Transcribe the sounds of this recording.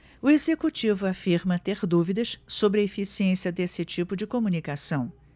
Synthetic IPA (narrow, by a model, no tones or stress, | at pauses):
ʊezekut͡ʃivʊafiɾmɐt̪eɾd̪uvid̪ɐʃsobɾɪɐefisiẽsiɐd̪esɪt͡ʃipʊd͡ʒɪkomũnikasɐ̃w̃